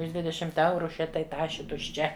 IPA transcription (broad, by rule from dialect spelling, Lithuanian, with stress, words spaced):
ʊʃ ˈdʲʋʲɪdʲɛʃʲɪmt ˈɛʊrʊ ˈʃʲɛ tɐɪ ˈtɑːʃʲeː tʊʃʲˈt͡ʃʲɛ